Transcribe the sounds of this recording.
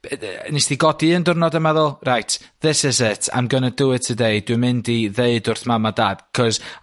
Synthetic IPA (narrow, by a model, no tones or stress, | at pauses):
nisd̥iɡɔdiəndʊrnɔdəmɛðʊlˠrajtʰðɪsɪzɪtʰa̰mɡənədʊwɨ̥tʰədeɨd̥wɨmɪndiðeɨdʊrθmamadaːd̥kʰɔz